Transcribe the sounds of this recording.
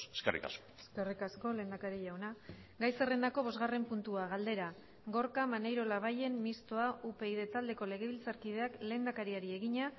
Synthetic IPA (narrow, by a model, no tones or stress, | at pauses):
eskerḭka̰skoeskerikasko̞le̞ːnd̪akaɾiʝawna | ɡajse̞re̞nd̪ako̞βo̞zɣare̞mpunt̪uaɣ̞ald̪e̞ɾa | ɡoɾkamanejɾo̞laβ̞aje̞mːist̪oaʔupe̞iðe̞t̪ald̪e̞ko̞le̞ɣ̞e̞βilt͡saɾkið̞e̞akle̞ːnd̪akaɾiaɾie̞ɣiɲa